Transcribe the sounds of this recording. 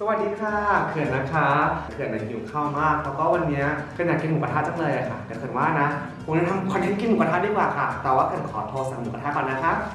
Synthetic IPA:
sa˧wa˨˩t̪̚diː˧kʰaː˥˩kʰɯ˨˩ənːa˦˥kʰa˦˥kʰɯ˨˩ənʔa˨˩juː˨˩kʰa˥˩wmaː˥˩k̚lɛː˦˥wkɔː˥˩wa˧nːi˦˥ɐkʰa˧ɲjaː˨˧˩ki˧nʔu˨˩kʰa˧t̪ʰaː˥˩t̚t͡ɕa˧˩ŋlɤː˧jʔa˨˩kʰa˥˩ka˧˩kʰɯ˨˩ə˩nwaː˥˩na˦˥ | pʰŋn˦˧˥t̪ʰa˧mkʰːnt̪ʰe˦˥nki˧nːu˨kʰa˧t̪ʰːt̚diː˧˥˩kwaː˨˩kʰa˥˩t̪ɛː˨˩waː˥˩kʰɯ˧˩ə˨nkʰɔ̰ː˩˦t̪ʰoː˧sa˨˩a˧˩nu˨˩ka˧t̪ʰaː˦˥˩kɔː˧˩nːa˦˥kʰa˦˥

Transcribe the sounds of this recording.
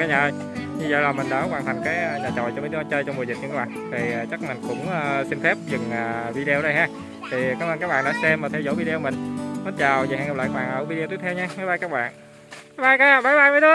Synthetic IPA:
kaː˨˦ɲa˨˩j | ɲɨ˧zə̰ː˧˨jlaː˨˩mï˨˩ŋ̟ɗɔ˨˦kwaː˧˩nt̪ʰa˧˩ŋkaː˨˦jɲaː˨˩t͡ɕɔ̰˨˩jt͡ɕɔ˧mə˨˦˧ɔ˧˦t͡ɕəː˧jt͡ɕɔ˧wŋ͡mo˨˩zi˨˩ɲɨ˧kːkɓa̰ː˨nt̪ʰiː˨˩˨t͡ɕa˦˥k̚ma˨˩ŋ̟kʊ̰˧˥ŋ͡mʔəː˧si˧nfɛ˦˥p̚zɨ˨˩ŋʔaː˨˩vi˧ɗə˧o˧ɗə˧jɦaː˧˥ | t̪ʰi˨˩kaː˦˥mʔə˧nkaː˦˥k̚ɓaː˧˨ɗa̰ː˧˦sɛ˧mːaː˨˩t̪ʰɛ˧wzo̰˧˩˦vi˧ɗe˧o˧mï˨˩ŋ̟mɔ˨˦nt͡ɕaː˨˩wzha̰ː˧˨ŋa˨˩pla̰ː˧˨kːɓa̰ː˨ʔəː˧˩vi˧e˧t̪i˦˥t̪ʰɛ˧wɲa˧maː˨˦jɓaː˧jkaː˦˥k̚ɓa̰ː˧˨n | maː˨˦jɓaː˧jkaː˨˦˨ɓaː˨˦jɓaː˧jmaː˨˧˦jt̪ə˧˦

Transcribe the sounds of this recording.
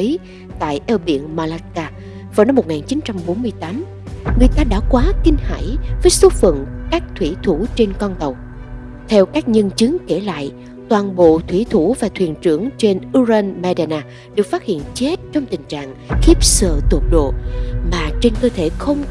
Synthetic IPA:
ə˨˦j | t̪a̰ː˧˨jʔɛ˧wɓḭ˧˨ənmaː˧la˧˥kaː˧ | vaː˨˩wna˧mː˨˩t̚ŋaː˨˩nt͡ɕi˨˦nt͡ɕa˧mɓo˨˦nmɨ˧əjt̪aː˨˦m | ŋɨ˨˩əjt̪aː˧ɗa̰ː˧˥kwaː˨˦kï˧ŋ̟ha̰ː˧˩jvəː˨˦jsu˦˥t̚fə̰˧˨nkaː˦˥k̚t̪ʰwi˧˩t̪ʰu˧˩t͡ɕe˧nkɔ˧nt̪ə˨˩w | t̪ʰɛ˧wkaː˦˥k̚ɲə˧nt͡ɕɨ˨˦ŋke˧˩la̰ː˧˨j | t̪waː˨˩nɓo̰˧˨t̪ʰwi˧˩t̪ʰu˧˩vaː˨˩t̪ʰwi˨˩ənt͡ɕɨ˧˩əŋt͡ɕe˧nʔu˧znma˧ɗa˧naː˧ | ɗɨ˨˩ək̚faː˦˥t̚hḭ˧˨ənt͡ɕe˦˥t̚t͡ɕɔ˧wŋ͡mt̪ï˨˩ŋ̟t͡ɕa̰ː˧˨ŋxi˦˥əp̚sə̰ː˧˨t̪u˨˩ək̚ɗo̰˧˨maː˨˩t͡ɕe˧nkəː˧t̪ʰe˧˩xə˧wŋ͡m

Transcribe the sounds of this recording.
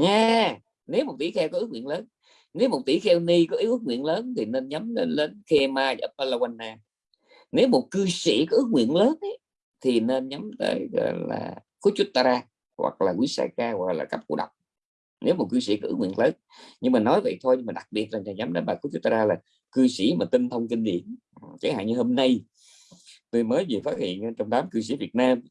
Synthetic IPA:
ɲaː˧ | ne˨˦wmo˨˩t̚t̪ḭ˧˩˦xɛ˧wkɔ˨˦ʔɨ˦˥k̚wi˧˨ənləː˨˦n | ne˨˦wmo˨˩t̚t̪ḭ˧˩˦xɛ˧wni˧kɔ˨˦ʔi˨˦wʔɨ˦˥k̚ŋwḭ˧˨ənləː˨˦nt̪ʰi˨˩ne˧nɲa˨˦mle˨˧nle˨˦nxe˧maː˧zːpʔə˧la˧wa˧nːaː˧ | ne˨˦wmo˨˩t̚kɨ˧sḭ˧˩kɔ˨˦ʔɨ˦˥k̚wḭ˧˨ənləː˨˦nɛ˨˧˦ | t̪ʰi˨˩ne˧nɲə˨˦mt̪ə̰ː˨˦jɣɔ̰˧˨jla̰ː˨˩ | xu˨˦t͡ɕʊ˦˥t̚t̪aː˧ɾaː˧ | hwa̰˨˩k̚laː˨˩kwi˨˦sa̰ː˧kaː˧ɣwa˨˩˨laː˨˩ka˦˥p̚ku˧ə˩ɗa˨˩wk͡p̚ | nʔe˨˦wmo˨˩t̚kɨ˧sḭ˧˩kɔ˨˦ʔŋwi˧˨ənləː˨˦n | ɲɨ˧ŋmaː˨˩nɔ˨˦jvə̰˧˨jt̪ʰo˧jɲɨ˧maː˨˩ɗa˨˩k̚ɓi˨˩ət̚laː˨˩t͡ɕaː˨˩ɲa˨˦mt̪əː˨˦jɓaː˨˩ku˧˦t͡ɕu˦˥t̚t̪aː˧aː˧laː˨˩ | kɨ˧sḭ˧˩maː˨˩t̪i˧nt̪ʰə˧wŋ͡mki˧ŋ̟ɗḭ˧˨ən˨ | t͡ɕa˨˦jha̰ː˧˨ɲɨ˧hoː˧mna˧j | t̪u˧jməː˨˦jzi˨˩faː˦˥t̚hḭ˧˨ən˧t͡ɕɔ˧wŋ͡mt̪aː˨˦mkɨ˧s̬ḭ˧˩vi˨˩ət̚naː˧m

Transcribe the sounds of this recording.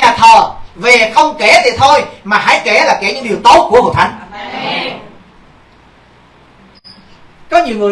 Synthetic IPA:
ɲaː˨˩t̪ʰəː˨˩ve˨˩xə˧wŋ͡mke˧˩t̪ʰi˨˩t̪ʰo˧jmaː˨˩ha̰ː˧˥˦jke˧˩laː˨˩ke˧˩ɲɨ̰˧˥˦ŋɗi˨˩əwt̪o˨˦˥t̚ku˧˩əho̰˧˨t̪ʰa˨˦ŋ | kɔ˨˦ɲi˨˩əwŋɨ˨˩ə˩

